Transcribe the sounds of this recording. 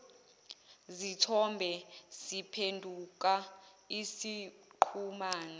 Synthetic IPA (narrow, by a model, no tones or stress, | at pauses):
zitʰɔmbʱɛsipʰendʱuk̬ʼaisiǃʰumaːna